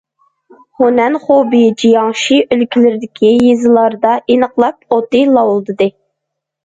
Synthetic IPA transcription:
honɛnχobijd͡ʒijɑŋʃiʔølkʲʰilɪɾɪd̪ɪkʲʰijezɨlˠɑɾd̪ɑʔenəqlˠɑp̚ot̪ɨlˠɑwolˠd̪ɨd̪ɨ

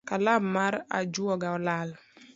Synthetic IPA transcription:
kalamaɾa̰d͡ʒuɔɡaɔlal

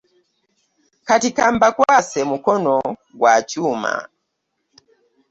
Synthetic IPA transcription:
katikambakwasɛmukɔnɔɡwat͡ʃuma̰

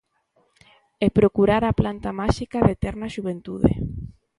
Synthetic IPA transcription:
ɛpɾokuɾaɾaplant̪amaʃikaðet̪ɛɾnɐʃuβent̪uðḛ

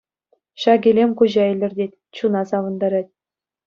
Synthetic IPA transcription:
ɕɑɡʲelʲemʲkuʑɑilʲɘ̆rʲdʲetʲ | t͡ɕunɑsɑʋɤ̆nd̪ɑɾɑt̚ʲ

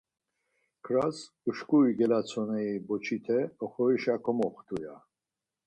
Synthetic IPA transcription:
kʰɾas | uʃkʼuiɡɛlat͡sʰɔnɛibɔt͡ʃʰit̪ʰɛɔχɔiʃakʰɔmɔχt̪ʰuja

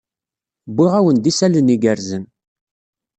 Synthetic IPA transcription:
bːiʁæwənd̪isæləniɡəɾzən

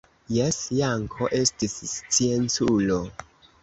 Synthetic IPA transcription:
jesjaŋkʰoʔe̞stisst͡sient͡sulo

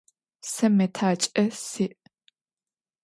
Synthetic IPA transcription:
sɐmɐtʰaːt͡ʃʼɐsiʔ

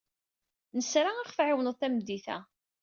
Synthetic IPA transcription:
nəsɾaæχfʕɪwnəðˤθæmd̪iθæ̰

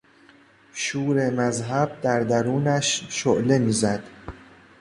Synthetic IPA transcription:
ʃuːɾe̞mæzɦæb̚d̪æɾd̪æɾuːnæʃʃoʔle̞miːzæd̪̥

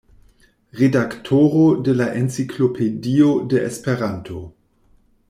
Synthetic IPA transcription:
ʁedaktʰoɾodelaʔent͡sikʰlopʰediodeʔḛspeʁantʰo

